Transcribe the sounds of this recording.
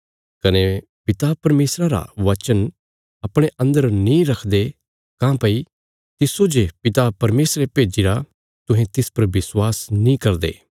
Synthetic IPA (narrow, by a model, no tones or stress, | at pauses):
kɐne | pɪt̪apɐɾmeːsɾaɾa̰ʋɐt͡ʃən | ɐpɽ̃eʔɐ̃nd̪əɾnĩɾɐkʰd̪e | kãːpɐi | t̪ɪsod͡ʒepɪt̪apɐɾmeːsɾepeːd͡ʒiɾa | t̪ʊ̃ɦẽt̪ɪspɐɾʋɪswaːsnĩkɐɾd̪ḛː